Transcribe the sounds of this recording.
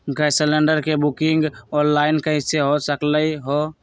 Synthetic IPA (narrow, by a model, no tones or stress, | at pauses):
ɡajsələɳɖəɾkebukiŋɡɔnlainkəɦiseɦosəkləiɦo